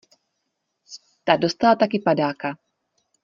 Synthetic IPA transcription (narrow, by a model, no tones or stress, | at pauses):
t̪adost̪alat̪akɪpadaːka